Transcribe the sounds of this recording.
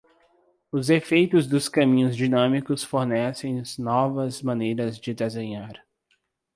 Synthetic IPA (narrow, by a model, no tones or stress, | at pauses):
ʊzefejt̪ʊzd̪ʊskɐmĩɲʊzd͡ʒinɐ̃mikʊsfoɾnɛsẽj̃nɔvɐzmɐ̃nejɾɐzd͡ʒɪd̪ezẽɲaɾ